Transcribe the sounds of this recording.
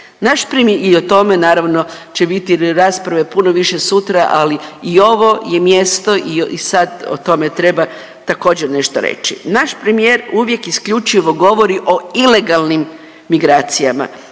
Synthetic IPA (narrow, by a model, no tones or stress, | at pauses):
naʃpɾemio̞t̪o̞me̞naːɾaʋno̞t͡ʃe̞bit̪iɾaːspɾaʋe̞puno̞ʋiʃe̞sut̪ɾaʔaliio̞ʋo̞je̞mje̞st̪o̞ʔiisad̪o̰t̪o̞me̞t̪ɾe̞ba | t̪ako̞ːd͡ʑeɾne̞ʃt̪oɾḛt͡ʃinaʃpɾemijeːɾuʋje̞kiskʎut͡ʃiʋo̞ɡo̞ʋo̞ɾiʔo̞ile̞ɡalnimː | iɡɾaːt̪sijama̰